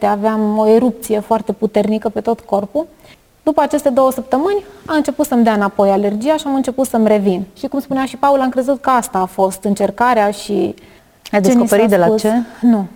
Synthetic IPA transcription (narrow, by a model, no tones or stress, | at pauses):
t̪eaveamo̞eɾup̚t̪sije̞foart̪e̞put̪e̞rnikəpe̞t̪o̞t̪ko̞rpu | d̪upəat͡ʃe̞st̪e̞d̪o̞wəsəp̚t̪əmɨnʲamɨnt͡ʃe̞put̪səmd̪eaɨnapo̞jale̞rd͡ʒijaʃiamɨnt͡ʃe̞put̪səmre̞vinʃikumspuneaʃipaulamkɾe̞zut̪̚kəast̪aːfo̞st̪ɨnt͡ʃe̞rkaɾeaʃi | ajd̪eekospeɾit̪d̪elaut͡ʃenu